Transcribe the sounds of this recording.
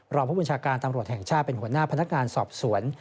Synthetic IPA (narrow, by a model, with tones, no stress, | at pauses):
ɾɔː˧pʰuː˥˩ba˧nt͡ɕʰaː˧kaː˧nt̪a˧mɾu˨˩ət̪̚hɛ˨˩ŋt͡ɕʰaː˥˩t̪̚pe˧nhu˩˦ənaː˥˩pʰna˦˥k̚ŋaː˧nsɔː˨˩p̚su˩˦ən